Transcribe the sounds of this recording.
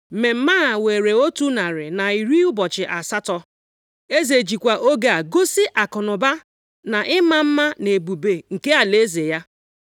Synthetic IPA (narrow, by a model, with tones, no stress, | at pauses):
me˨m̩˦ma˦˨we˨ɾe˨o˦tu˦na˨ɾɪ˨na˨i˨ɾi˦ʊ˦bɔ˨t͡ʃɪ˨ʔa˨sa˦tɔ˦ | e˦ze˨d͡ʒi˨kʷa˨ʔo˦ɡe˦a˨ɡo˦si˦ʔa˨kʊ˨nʊ˨ba˦ | na˨ʔɪ˦ma˦m̩˦ma˦ne˨bu˨be˨ŋ̩˨ke˦a˨le˦ze˨ja˦